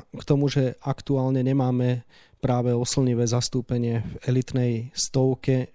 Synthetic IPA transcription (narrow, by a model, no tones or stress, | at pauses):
kt̪ɔmuʒɛakt̪uaːlɲɛɲɛmaːmɛ | pɾaːʋɛɔsl̩ɲiʋɛːzast̪uːpɛɲɪɛvɛlit̪nɛjst̪ɔʊkɛ